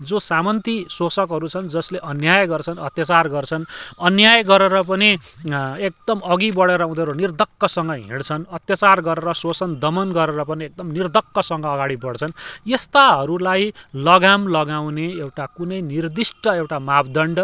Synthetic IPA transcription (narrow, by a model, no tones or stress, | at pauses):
d͡zosamʌnt̪isot͡sʌkɦʌɾut͡sʰʌnd͡zʌsleʔʌnjajɡʌrt͡sʰʌnʌt̪jat͡sarɡʌrt͡sʰʌnʌnjajɡʌɾeɾʌp̬ʌni | ek̚d̪̥ʌmʌɡibʌɽeɾʌ̃d̪eɾonird̪ʱʌkːʌsʌŋɡʌɦḭɽt͡sʰʌnʌt̪jat͡sarɡʌɾeɾʌsot͡sʰʌnd̪ʌmʌnɡʌɾeɾʌpʌniek̚d̪ʌmnird̪ʌkːʌsʌŋɡʌːɡaɽibʌɽt͡sʰʌnjest̪aɦʌɾulajlʌɡamlʌɡaw̃neewʈakunʌjnird̪isʈʌewʈamabd̪ʌɳɖ